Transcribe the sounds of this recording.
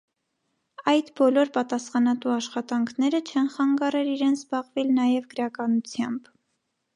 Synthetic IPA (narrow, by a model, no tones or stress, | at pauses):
ɑjd̪bɔlɔɾpɑt̪ɑsχɑnɑt̪uɑʃχɑt̪ɑŋkʰnɛɾət͡ʃʰɛnχɑŋɡɑrɛliɾɛnʰzbɑʁvɛlnɑjɛvɡəɾɑkɑnut͡sʰjɑmb